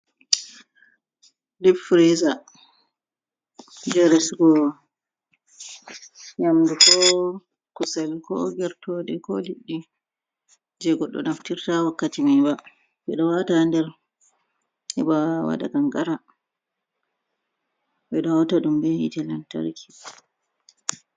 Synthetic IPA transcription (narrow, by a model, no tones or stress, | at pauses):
dipfɾiza | d͡ʒɛɾɛsɡɔ | jamdukɔ | kusɛlkɔ̰ɡɛɾtɔdɛkɔliɗːi | d͡ʒɛɡɔɗːɔ̰naftiɾtawakːatimiba | bɛɗɔwatandɛɾ | hɛbawa̰ɗa̰ɡaŋɡaɾa | bɛɗɔɔtaɗumbɛhḭtɛlanta̰ɾkʰi̥